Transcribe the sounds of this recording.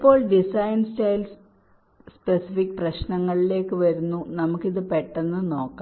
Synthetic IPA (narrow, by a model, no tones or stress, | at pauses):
ipːo̞ːɭɖisɐjnstɐjls | spesifikːɨprɐɕnɐŋːɐɭile̞ːkːɨʋɐɾunːunɐmukːiðɨpeʈːenːɨno̞ːkːa